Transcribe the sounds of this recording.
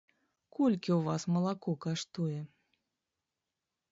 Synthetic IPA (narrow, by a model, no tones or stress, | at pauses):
kʰɔlʲkʲiwvasmɐlˠakɔkaʂt̪ujɛ